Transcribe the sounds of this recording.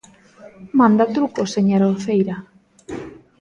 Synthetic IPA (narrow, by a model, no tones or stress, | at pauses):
mand̪at̪ɾukoseɲaɾafejɾa